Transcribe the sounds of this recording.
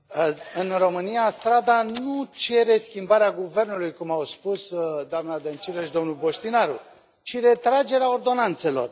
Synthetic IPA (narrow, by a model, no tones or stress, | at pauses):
əɨnro̞mɨnijast̪ɾad̪anut͡ʃe̞ɾe̞skʲimbaɾeaɡuve̞rnulujkumawspusd̪oamnad̪ent͡ʃiɾəʃd̪o̞mnulbo̞ʃt̪inaɾu | t͡ʃiɾe̞t̪ɾad͡ʒe̞ɾeao̞rd̪o̞nant̪se̞lo̞̰r